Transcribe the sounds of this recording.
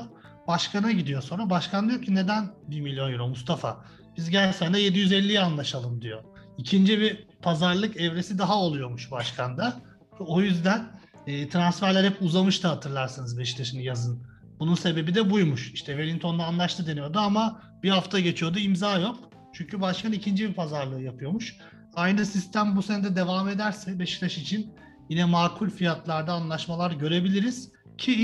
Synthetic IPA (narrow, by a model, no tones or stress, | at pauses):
b̥aʃkanaɟid̪ijo̞so̞nɾabaʃkʰand̪ijocʰine̞d̪ænbimilʲjo̞njiɾomust̪ʰafa̰ | bizɟæsænd̪ɛje̞d̪ijyzɛlʲːijɛanlˠaʃalˠɯmd̪ijo̞icʰind͡ʒibipʰazaɾlˠɯkɛvɾesid̪aɦao̞lˠujo̞muʃbaʃkʰand̪a | o̞jyzd̪ænː | t̪ʰɾansfæɾlʲæɾhɛpuzamɯʃt̪ʰɯhat̪ʰɯɾlˠaɾsɯnɯzbɛʃt̪ʰeʃɯnɯjazɯn | b̥ununse̞be̞bid̪ɛbujmuʃiʃt̪ʰɛve̞lʲint̪ʰo̞nd̪aːnlˠaʃt̪ʰɯd̪e̞nijo̞d̪uama | b̥ihaft̪ʰaɟe̞t͡ʃʰijo̞d̪uimzaːjo̞k | t͡ʃʰyɲcʰybaʃkʰanicʰind͡ʒibipʰazaɾlˠɯːjapʰɯjo̞muʃ | ajnɯsist̪ʰæmbuse̞nɛd̪ɛd̪e̞vame̞d̪æɾsɛbeʃi̥t̪aʃit͡ʃʰin | jinɛmaːkʰulʲfijat̪ʰlˠaɾd̪aːnlˠaʃmalˠaɾɟø̞ɾe̞bilʲiɾiz̥ | cʰi